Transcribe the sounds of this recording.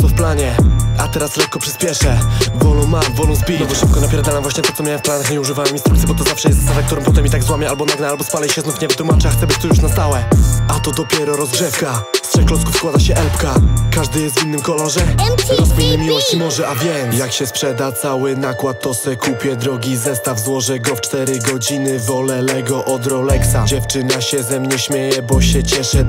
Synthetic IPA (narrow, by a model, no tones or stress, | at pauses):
ɔfplaɲɛat̪ɛɾasɾɛkkɔpʂɘ̥spʲjɛʂɛvɔlɔ̃w̃mamvɔlɔ̃w̃zbʲilɛbɔʂɘp̚kɔnapʲjɛɾad̪anaɛvwaɕɲɛt̪ɔɔmʲjawɛ̃fplanaxɲɛuʐɘvawɛminst̪ɾukt̪sʲjɛbɔt̪ɔzafʂɛjɛst̪savakt̪uɾɔ̃mpɔt̪ɛmːʲit̪aɡzwamʲjɛalbɔnaɡnɛalbɔspalɛɕɛznufɲɛvɘt̪wumat͡ʂaxt̪sɛbɘt͡ɕt̪ɔjuʂnast̪awɛʔat̪ɔd̪ɔpʲjɛɾɔɾɔzɡʐɛfkast̪ʂɛklɔskufskwad̪aɕɛʔɛlpkakaʐd̪ɘjɛst̪vinːɘmkɔlɔʐɛɾɔspiɲɛmʲiwɔɕt͡ɕinɔʐɘʔavʲjɛjakɕɛspʂɛd̪at̪sawɘnakwat̪ːɔsɛkupʲjɛd̪ɾɔɡʲizɛst̪avzwɔʐɛɡɔft͡ʂt̪ɛɾɘɡɔd͡ʑinɘvɔlɛlɛɡɔʔɔd̪ɾɔlɛksad͡ʑɛft͡ʂɘnaɕɛzɛmɲɛɕmʲjejɛbɔɕɛt͡ɕɛʂɛ